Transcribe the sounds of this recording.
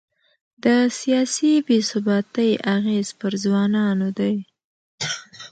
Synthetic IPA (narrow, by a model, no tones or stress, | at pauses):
d̪əsijɑsibesʊbɑt̪əjaɣez̥pəɾzwɑnɑnod̪aj